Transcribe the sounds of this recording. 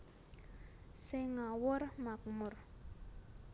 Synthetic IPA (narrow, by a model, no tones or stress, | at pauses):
sɪŋawʊrmak̚mʊr